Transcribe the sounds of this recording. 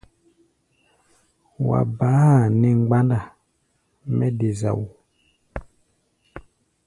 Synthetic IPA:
wa̰˨ba˨˦ha˨nɛ˨ŋ͡mɡ͡ba˦nda˨ | mɛ˦de˨za̰˨wu˨

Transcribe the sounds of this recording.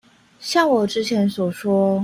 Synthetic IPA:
ɕjɑ˥˩ŋwɔ˨˩ʈ͡ʂɻ̩˥t͡ɕʰjɛ˧˥nswɔ˨˩ʂwɔ˥

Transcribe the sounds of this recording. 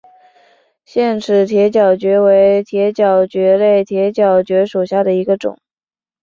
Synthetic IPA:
ɕjɛ˥˩nʈ͡ʂʰɻ̩˧˥t̪ʰjɛ˧˥t͡ɕjɑ˨˩ʊt͡ɕɥɛ˧˥we˧˥ɪt̪ʰjɛ˧˥t͡ɕjɑ˨˩ʊt͡ɕɥɛ˧˥le˥˩ɪt̪ʰjɛ˧˥t͡ɕjɑ˨˩ʊt͡ɕɥɛ˧˥ʂu˨˩ɕja˥˩d̪ə˩i˧˥ɡə˧ʈ͡ʂʊ̰˨˩˦ŋ

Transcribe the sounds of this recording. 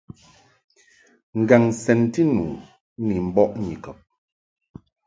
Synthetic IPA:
ŋ̩˨ɡa˨ŋsɛ˨nti˦nṵː˨˦ | ni˨m̩˨bɔ˦ʔɲḭ˨kɔ˨p̚

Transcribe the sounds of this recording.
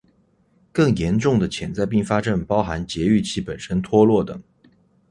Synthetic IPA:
kɤ˥˩ŋjɛ˧˥nʈ͡ʂʊ˥˩ŋd̪ə˩t͡ɕʰjɛ˨˩nt͡sa˥˧ɪpi˥˩ŋfa˥ʈ͡ʂə˥˩npɑ˥ʊxa˧˥nt͡ɕjɛ˧˥y˥˩t͡ɕʰi˥˩pə˨˩nʂə˥nt̪ʰwɔ˥lwɔ˥˩t̪ɤ̰˨˩˦ŋ

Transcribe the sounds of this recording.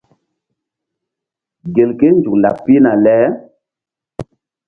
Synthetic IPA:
ɡe˨lke˦nd͡ʒu˨kla̰˨pːi˦na˨lɛː˨˦

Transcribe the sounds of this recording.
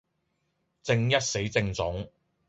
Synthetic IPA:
t͡sɪ˧ŋjɐ˥t̚se˨˥jt͡sɪ˧ŋt͡sʊ˨˥ŋ

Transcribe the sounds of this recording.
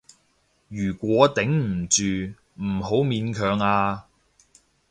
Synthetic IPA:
jyː˨˩kʷwɔː˨˥t̪ɪ˨˥ŋm̩˨˩t͡ʃyː˨ | m̩˨˩ho˨˥wmiː˨˧nkʰœː˨˧ŋaː˧

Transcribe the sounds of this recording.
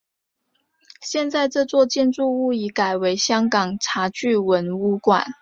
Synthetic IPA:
ɕjɛ˥˧nt͡sa˥˧ɪʈ͡ʂɤ˥˧t͡swɔ˥˧t͡ɕjɛ˥˧nt͡su˥˧u˥˩i˨˥ka˨˩ɪwe˧˥ɪɕjɑ˥ŋkɑ˨˩ŋʈ͡ʂʰa˧˥t͡ɕy˥˩wə˧˦˥nu˥kwa̰˨˩˦n

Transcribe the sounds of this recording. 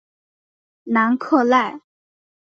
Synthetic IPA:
na˧˥nkʰɤ˥˧la˥˩ɪ

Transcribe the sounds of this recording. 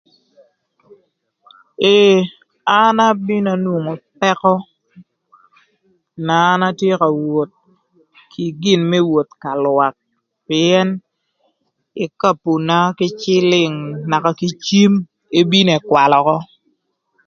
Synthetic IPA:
e˨ | a˦na˦bi˦na˨nwo˨ŋo˨pɛ˦kɔ˦ | naː˨˦na˦tje˦ka˨wo˨t̪̚ | kʰi˨ɡɪ˨nmɛ˦wo˨t̪ka˨lwa˨k̚ | pɪ˨ɛ˦n | ɪ˨ka˦˨pu˨na˦kɪ˦t͡ʃɪ˦lɪ˨ŋna˨ka˨ki˦t͡ʃi˦m | e˦bi˦ne˨kwa˨lɔ˨kɔ˦

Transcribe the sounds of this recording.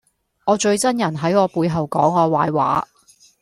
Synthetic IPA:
ŋɔː˨˧t͡ʃɵ˧ɥt͡sɐ˥njɐ˨˩nɦɐ˨˥jɔː˨˧puː˨˧jɦɐ˨wkɔː˨˥ŋɔː˨˧waː˨˧jwa̰ː˨˥

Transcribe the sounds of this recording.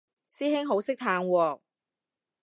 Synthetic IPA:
siː˥hɪ˥ŋɦo˨˥wsɪ˥k̚t̪ʰaː˧ŋwɔː˧

